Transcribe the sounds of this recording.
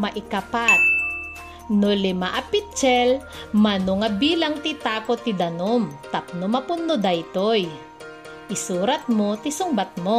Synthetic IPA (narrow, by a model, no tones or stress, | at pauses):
mɐʔɪkɐpat̪̚ | nolɪmaʔɐpit̪̚t͡ʃɛlmɐnoŋɐbiːlɐŋt̪it̪aːkot̪ːɪd̪ɐnomt̪ɐp̚nomɐpʊnːod̪ɐjt̪oj | ʔɪsuːɾɐt̪̚mot̪ɪsʊŋbat̪̚mo